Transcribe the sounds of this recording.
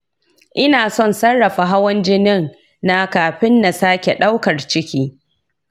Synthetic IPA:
ʔɪ˦naː˨sɔ˦˨nsɐ˦rːɐ˨ɸa˨ɦa˦wɐ˦nd͡ʒɪ˦nɪ˦ŋ | na˦kaː˨ɸɪ˦nːa˨saː˦kʲe˨ɗa˦wkɐ˨rt͡ʃɪ˦kʲiː˦

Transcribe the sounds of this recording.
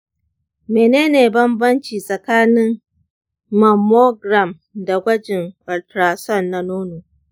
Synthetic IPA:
meː˨neː˦neː˨bɐ˦mbɐ˦nt͡ʃiː˨sʼɐ˨kaː˦nɪ˦ŋ | mɐ˨mo˦ɡɾa˨m | da˨ɡʷɐ˦d͡ʒɪ˨ŋʔɔ˨ltɾa˨sɔ˦˨nːa˦noː˦noː˨

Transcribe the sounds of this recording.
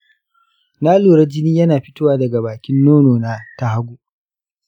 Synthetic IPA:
naː˦luː˨ɾɐ˦d͡ʒɪ˦niː˦jɐ˦naː˨ɸɪ˦tʊː˦waː˨dɐ˨ɡa˨baː˨kʲɪ˦nːoː˦noː˨naː˦ta˦ha˦ɡʷu˦

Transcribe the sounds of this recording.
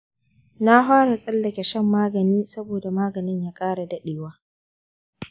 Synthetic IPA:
na˦ɦaː˦ɽa˨sʼɐ˦lːɐ˨kʲɛ˨ʃɛ˦mːaː˦ɡɐ˨niː˦sɐ˦boː˨da˨maː˦ɡɐ˨nɪ˦ɲjaː˦kʼaː˦ɽa˨dɐ˦ɗeː˨waː˦

